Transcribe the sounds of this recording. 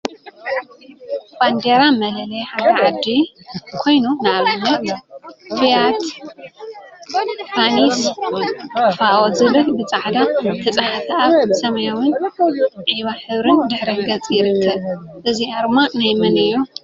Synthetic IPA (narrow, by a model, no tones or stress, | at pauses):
b̥and̪eɾamɐlɐlɐjħad̪ɐʕad̪i | kʰo̞jnunalmo | fijat̪ | pʰaniswjfaozɨβɨlbɨt͡sʼaʕd̪at̪ʰɐt͡sʼaħafaβsɐmɐjawʊn | ʕiβaħɨβɾɨnd̪ɨħɾɐŋɡɐt͡sʼjɪɾɨkʰːɐ | ʔɨziʔaɾmanajmɨnɨjːo